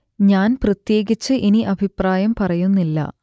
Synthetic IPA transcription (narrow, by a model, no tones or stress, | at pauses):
ɲaːnprɐt̪je̞ːɡit͡ɕːɨʔiniʔɐbʱipraːjɐmpɐrɐjunːilːɐ̰